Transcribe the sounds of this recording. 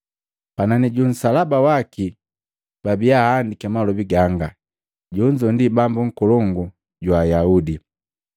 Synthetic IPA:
pananiɟun̩salabawaki | b̥abijaːndikɛmalɔbiɡaŋɡa | ɟuɲd͡ʒɔndibambuŋ̩kɔlɔŋɡu | ɟwaːjaudi

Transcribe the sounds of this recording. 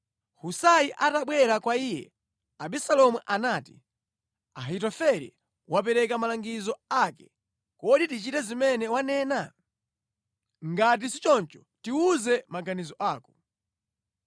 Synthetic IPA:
husajiʔataɓwɛɾakwaiːjɛ̰ | aɓisalɔmuʔanaːti | aɦitɔfɛɾḭ | wʔap̬ɛɾɛkamalaŋɡizɔakɛ̥ | kɔɗitit͡ʃitɛzimɛnɛwanɛːna | ŋɡat̬isit͡ʃɔnt͡ʃɔ̥ | tiuzɛmaɡanizɔʔaːkɔ̥

